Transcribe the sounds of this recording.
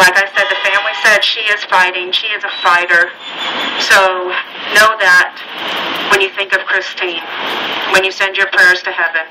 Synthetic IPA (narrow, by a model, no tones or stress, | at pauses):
laɪkaɪsɛd̪̚ðɨfæ̃mlisɛd̥ʃiɪz̥faɪɾɪ̃ŋʃiɨzəfaɪɾə˞ | soʊnoʊðɨt̚ | wɨ̃njɨθɪ̃ŋkʌv̥kʰɹ̥ɪstʰĩnwɨ̃njɨsɛ̃nd͡ʒə˞pʰɹ̥ɛɹz̥tʰɨhɛvɨ̃n